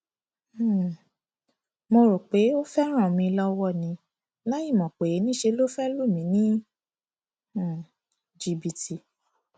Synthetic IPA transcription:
mo˧ɾo˨k͡pe˨˦o˦fɛ˦ɾ̃ã˦˨mĩ˧lɔ˦wɔ˦˨nĩ˧˦ | la˦ji˦˨mɔ̃˨k͡pe˨je˨˦nĩ˦ʃe˧lo˦fɛ˦lu˦˨mĩ˨˦nĩ˦˨ | d͡ʒi˧bi˧ti˧

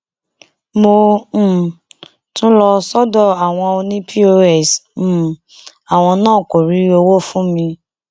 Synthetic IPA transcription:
mõ˧˦˨ | tũ˦lɔ˧sɔ˦dɔ˦˨a˨w̃ɔ̃˧o˧nĩ˦pʰi˦o˧ɛ˦˨s̩˨ | a˨w̃ɔ̃˧nãː˦˨ko˨ɾi˨˦o˧wo˦fũ˦mĩ˧

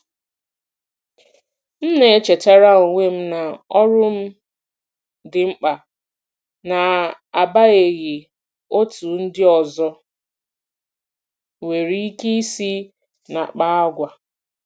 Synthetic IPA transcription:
n̩˦ne˨˦t͡ʃe˨ta˦ɾa˦o˨ŋʷe˦m̩˦na˨ɔ˦ɾʊ˦m̩˦ | dɪ˨ŋ͡m̩˦k͡pa˨ | na˨ | a˨ba˦e˨ɣe˨ | o˦tu˨n̩˦dɪ˦ɔ˨zɔ˦ | we˨ɾi˦i˦ke˦i˦si˦ | na̰˨k͡pa˦a˦ɡʷa˨

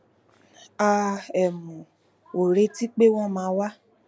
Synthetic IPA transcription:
a˨ɛ˨mũ˨ | o˨ɾe˧˦ti˦k͡pe˦w̃ɔ̃˦mãː˨˦wa˦

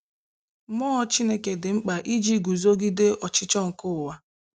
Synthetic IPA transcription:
mɔː˦ɔ˦t͡ʃi˦ne˦ke˨dɪ˨ŋ͡m̩˦k͡pa˨ʔi˦d͡ʒi˦ɡu˨zo˦ɡi˦de˦ʔɔ˨t͡ʃɪ˦t͡ʃɔ˦ŋ̩˨kʊ˦ʊ˨wa˦

